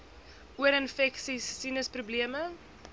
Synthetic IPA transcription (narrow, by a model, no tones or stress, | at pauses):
ʔuəɾənfɛksisːinəsprubliəmə